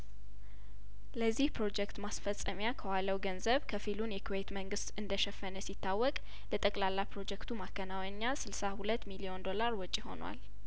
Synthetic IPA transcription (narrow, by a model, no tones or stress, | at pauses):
ləzːihpɾo̞d͡ʒɛkt̪masfəsʼːəmjakʰəwaləwɡənzəβkʰəfilunjɛkʰuwet̪məŋɡɨst̪ɨnd̪əʃɛfːənəsit̪ːawːɔkʼ | lət̪ʼəkʼlalːapɾo̞d͡ʒɛkt̪ʰumakːənawəɲːasɨlsahulət̪ːmilio̞nd̪o̞laɾwɔt͡ʃʼiho̞̰nwa̰l